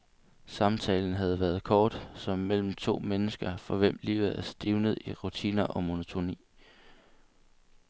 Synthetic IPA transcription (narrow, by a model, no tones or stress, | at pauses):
sɑ̈mt͡sʰɛːln̩ɦæð̞ˠʋæːɐð̞̩ˠkʰɒːd̥sɒ̽mːel̰m̩t͡sʰo̝̰ːmenəsɡ̥ɐfɒ̽ʋem̰lḭʊð̩ˠæsd̥iʊnəð̩ˠiʁut͡sʰḭːnɐʔɒ̽mo̝not͡sʰo̝nḭː